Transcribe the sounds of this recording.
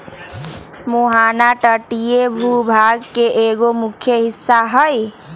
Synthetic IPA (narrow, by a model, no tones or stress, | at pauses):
muɦanaʈəʈijebʱubʱaɡkeʔeɡomukʰjəɦisːaɦəj